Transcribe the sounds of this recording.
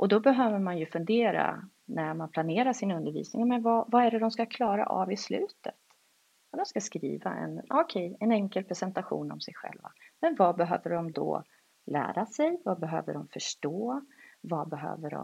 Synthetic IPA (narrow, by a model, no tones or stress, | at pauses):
ʔɔd̪ɔbɛɦøːvəɾmanjɵfɵnd̪eːɾa̰ | næɾmanpʰlaneːɾaʂɪnɵnd̪əɾvḭːsnɪŋmɛvavaæɖɛd̪ɔmskakʰlɑːɾa̰ʔavɪslʉ̟ːt̪ət̪ | d̪ɔmskaskɾḭːva̰ɛ̰nɔkʰɛjɛnɛŋkəlpʰɾɛsɛnt̪aɧṵːnɔ̰msɛjɧɛ̰lva̰mɛnvabɛɦø̰ːvəɖɔmd̪ɔ̰ | læ̰ːɾasɛjvabɛɦø̰ːvəɖɔmfœʂʈoːvabɛɦø̰ːvəɖɔ̰